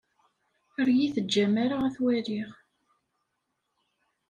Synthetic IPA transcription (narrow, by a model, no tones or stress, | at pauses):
əɾjiθəd͡ʒːæmaɾaæθwæɾiʁ